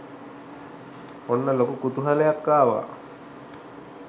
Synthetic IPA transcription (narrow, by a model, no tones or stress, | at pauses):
onːəlokukut̪uɦalejakːaːʋa̰